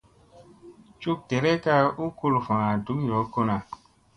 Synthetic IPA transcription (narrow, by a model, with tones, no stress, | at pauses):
t͡ʃu˦k̚tɛ˨ɾɛ˦ka˧u˦ku˧lfã˨a˨du˨˦jɔ˨˦ko˦nã˨